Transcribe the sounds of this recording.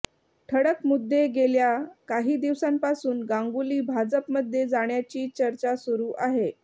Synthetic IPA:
ʈʰəɽəkmud̪ʱːeɡeljakaɦiːd̪iʋsampasuːnɡaŋɡuliːbʱad͡zəpməd̪ʱːjed͡zaɽ̃jat͡ɕiːt͡ɕəɾt͡ɕasuɾuːʔaɦe

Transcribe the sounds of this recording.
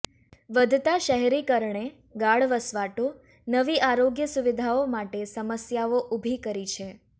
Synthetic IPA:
ʋəd̪ʱt̪aʃəɦɛɾikəɾɳe | ɡaɭʋəsʋaʈo | nəʋiʔaɾoɡjəsuʋid̪ʱaomaʈesəməsjaoʔubʱikəɾit͡ʃʰe

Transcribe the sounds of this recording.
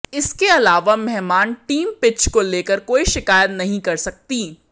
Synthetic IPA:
ɪskeɐlaːʋamɛɦmaːnʈiːmpɪt͡ʃkoleːkəɾkoːiʃɪkaːjət̪nɐɦĩkɐɾsɐk̚t̪iː

